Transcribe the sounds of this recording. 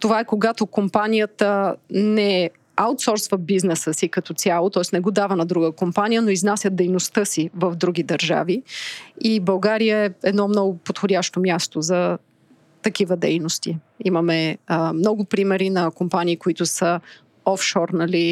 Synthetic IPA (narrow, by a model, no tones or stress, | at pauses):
t̪ovaɛkoɡat̪okompanijət̪ənɛ | awt̪sɔɾsvɐbiznɛsəsikɐt̪ɔt̪sʲalˠot̪ɔɛsnɛɡod̪avənɐd̪ɾuɡəkompanijənoiznasʲət̪̚d̪ɛjnost̪ɤsivɐvd̪ɾuɡʲid̪ɐɾʒa̰viibɐlˠɡaɾijəɛɛd̪nɔmnɔɡʊpot̪xodʲaʃt̪omʲjast̪ozɐ | t̪ɐkivəd̪ɛjnost̪i | imɐmɛmnɔɡʊpɾimɛɾinɐkompaniːkoit̪ʊsə | ɔfʃɔɾnɐli